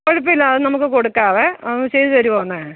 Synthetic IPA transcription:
koɻupːilːɐːðɨnɐmukːɨkoɽukːaːʋeɐt͡ɕejðɨʋɐɾuʋoːɳːe

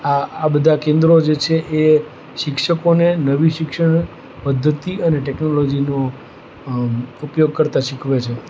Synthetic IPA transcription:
aːbəd̪ʱakẽnd̪ɾod͡ʒet͡ʃʰeʔe | ʃɪkʃəkonenəʋiʃɪkʃəɳ | pəd̪ʱːət̪iəneʈɛknolod͡ʒino | upjoɡ̚kəɾt̪aʃɪkʰʋet͡ʃʰe

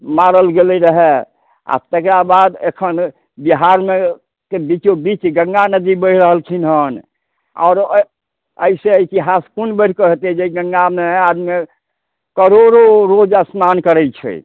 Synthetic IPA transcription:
maɾəlɡelɛɾəɦɛ | a̰t̪ekɾabad̪ḛkʰən | biɦaɾme | kebit͡ʃobit͡ʃɡəŋɡanəd̪ibəɾəɦəlkʰinɦən | ɔ̰ːɾ | əiseəit̪iɦaskunbəɾ̤ʰkəɦet̪ɛd͡ʒeiɡəŋɡamead̪me | kəɾoɾoɾod͡ʒasmankəɾɛjt͡ʃʰɛ̰

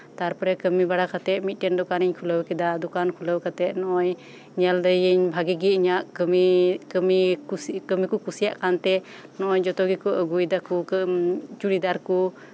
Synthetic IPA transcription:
t̪aɾpɾɛkəmibaɽakat̪ɛʔ̪̚mit̪̚ˀʈɛnd̪ɔkaniɲkʰuləwkɛd̪ad̪ukankʰuləwkat̪ɛt̪̚nɔʔɔɲ | ɲɛld̪əjiɲbʱaɡiɡiiɲaʔkmimikəmikukusijaʔkant̪ɛ | nɔʔɔɲd͡ʒɔt̪ɔɡikuʔəɡujd̪aku | t͡ʃuɽid̪aɾku

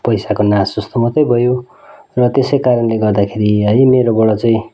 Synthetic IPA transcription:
pʌjsakonasd͡zʌst̪omʌt̪ʌjbʱʌjo | rʌt̪esʌjkaɾʌnleɡʌrd̪akʰeɾiɦʌjmeɾobʌɽʌt͡sʌĩ

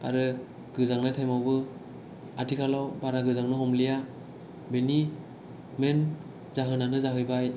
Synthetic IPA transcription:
a̰ɾɯ | ɡ̥ɯzaŋnatʰajmawbɯ | atʰikʰalawbaɾaɡɯzaŋnɯhɔmlija | beni | men | zaɦɯnanɯzaɦɯjbaj

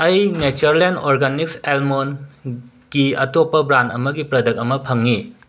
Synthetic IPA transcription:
ɐjmet͡ʃuɾlenoɾɡanik̚selmon | ɡ̥iɐtopːɐbɾantɐmɐɡipɾɐdɐk̚ɐmɐpʰɐŋːi

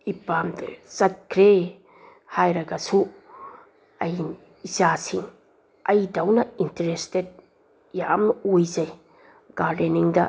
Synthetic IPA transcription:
ipamdsɐt̚kʰɾe | hajɾɐɡasu | ɐj | isasiŋ | ɐjdɐwnɐinteɾested̚ | jamojzɐj | ɡ̥aɾdeniŋdɐ

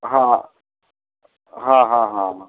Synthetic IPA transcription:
ɦã | ɦãɦãɦãmã

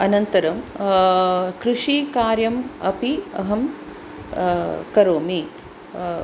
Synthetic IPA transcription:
ɐnɐnt̪ɐɾɐm | kɾuʂikaːɾjɐmɐpiɐ̰ɦɐm | kɐɾoːmi

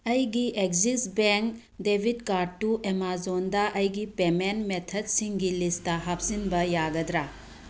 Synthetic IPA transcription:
ɐjɡiʔekzisbeŋk | debʱidkaɾ̚tuʔemazondɐʔɐjɡipemenmetʰɐd̚siŋɡilistɐɦap̚sinbɐjaɡɐdɾa

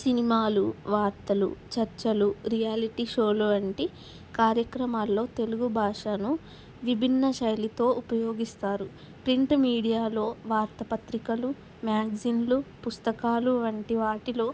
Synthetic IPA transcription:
sinimaːluʋaːɾt̪ɐlṵt͡ʃɐɾt͡ʃɐluɾijaːliʈiʃoːluʋɐɳʈi | kaːɾjɐkɾɐmaːlːo̞ːt̪e̞luɡubʱaːʂanu | ʋibʱinːɐʃɐjlit̪o̞ːʔupɐjoːɡist̪aːɾu | pɾiɳʈmiːɽijaːlo̞ːʋaːɾt̪ɐpɐt̪ɾikɐlu | mjaːɡzinlupust̪ɐkaːluʋɐɳʈiʋaːʈilo̞ː

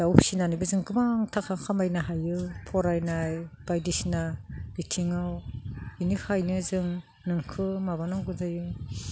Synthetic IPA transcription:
dawpʰsinanibɯzɯŋɡɯmaŋtʰakʰakʰamajnaɦajɯpʰɔɾajnajb̥ajdisinabitʰiŋawinihajnɯzɯŋ | nɯŋkʰɯmaβanaŋɡuzajɯ

